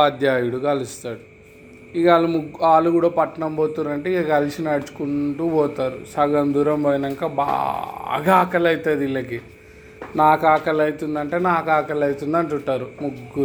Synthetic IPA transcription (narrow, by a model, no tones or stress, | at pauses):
aːd̪jaːjuɽukɐlist̪aːɽu | iɡaːlumuɡaːluɡuːɽɐːpɐʈːɐnɐmboːt̪unɾɐɳʈeikɐkɐlisinaɽt͡ʃu̥kuɳʈuːbɔːt̪aːɾusɐɡɐnd̪uːɾɐmbɐjnɐŋkaːba̰ | ɡaːkɐlɐjt̪ɐːd̪ilːɐki | naːkaːkɐlɐjit̪und̪ɐɳʈe̞ːnaːkaːkɐlɐjt̪und̪ɐɳʈuɳʈaːɾumuɡːuɾu